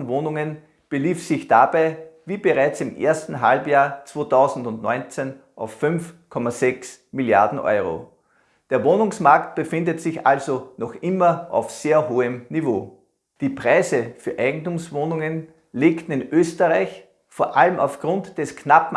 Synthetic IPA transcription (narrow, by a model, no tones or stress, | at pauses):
nvoːnʊŋən | b̥əliːfsɪçd̥abaɪviːbəʁaɪt͡sɪmʔḛːɐstn̩ɦalbjaːɐt͡sv̥oːtʰɑʊzn̩dʊntnɔ̰ʏnt͡sen | ʔaʊfːʏnfkʰɔmazɛksmilja̰ɐdn̩ʔɔ̰ʏʁo̰ | d̥eːɐvoːnʊŋsmaɐkt̚b̥əfɪ̃ndətsɪçʔa̰lzonɔxʔɪmɐʔa̰ʊfseːɐɦoːəmnivoː | d̥iːpʁ̥aɪzəfyːɐʔæɪɡŋ̩tʊmsvoːnʊŋən | leːktn̩ɪnʔøːstəʁaɪç | foːɐʔaləmʔa̰ʊfɡ̥ʁʊ̃ntd̥ɛsknapm̩